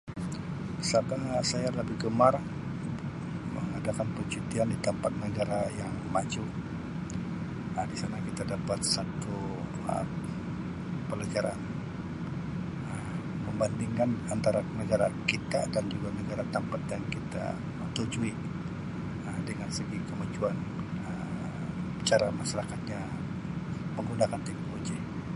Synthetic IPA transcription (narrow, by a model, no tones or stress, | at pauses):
sabasajaləbɪhɡəmaɾ | mə̰ŋadakanpət͡ʃut̪iandit̪əmpat̪̚nəɡaɾajaŋmad͡ʒu | ədisanakit̪adapat̪̚sat̪u | ə̰ | pəlad͡ʒaɾa̰n | ə | pəmbandiŋkanant̪aɾanəɡaɾakit̪adand͡ʒuɡanəɡaɾat̪əmpat̪̚jaŋkit̪a̰ | t̪ud͡ʒui | əmdəŋansəɡikəmad͡ʒuanə | t͡ʃaɾamasaɾakat̪̚ɲa | pəŋɡunakandiŋod͡ʒi